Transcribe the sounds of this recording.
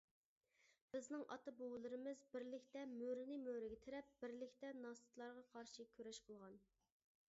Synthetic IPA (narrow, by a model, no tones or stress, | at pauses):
b̥ɪznɪŋʔɑ̰t̪ɑbowlˠɨɾɨmɨzbɪɾlɪkʲt̪ɛmøɾnɨmøɾɪɡʲɛt̪ʰeɾɛp̚b̥ɪɾlɪkʲt̪ɛnɑst̪ɨ̥t̪ʰlˠɑɾʁɑqʰɑɾʃikʲʰøɾɛʃqʰəlˠʁɑn